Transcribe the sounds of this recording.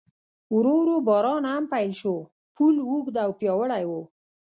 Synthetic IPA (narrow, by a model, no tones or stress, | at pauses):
wɾoɾobɑɾɑnhampajlʃo | pulwuɡd̪awpjɑwəɽajwo